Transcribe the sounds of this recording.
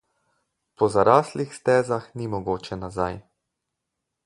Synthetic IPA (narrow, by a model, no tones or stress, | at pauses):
pɔzaɾaːslixst̪ɛːzaxnimɔɡoːt͡ʃɛnazaj